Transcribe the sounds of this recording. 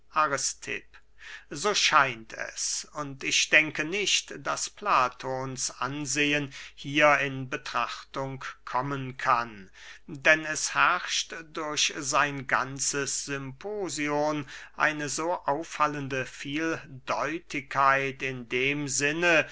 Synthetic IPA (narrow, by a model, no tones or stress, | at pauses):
ʔaʁɪstʰɪ̰p | zoːʃaɪntɛ̰sʊntɪçd̥ɛŋkənɪɕtd̥asplaːtʰoːnsʔa̰nzeːənhiːɐɪnbətʁ̥aχtʊŋkkʰːɔmənkʰan | dɛnɛshɛɐʃtd̥ʊɐçz̥aɪnɡa̰nt͡səsz̥ʏmpʰoːzioːnʔa̰ɪnəzoːʔaʊfːaləndəfiːldɔʏtʰɪkʰːaɪtɪndeːmzɪnə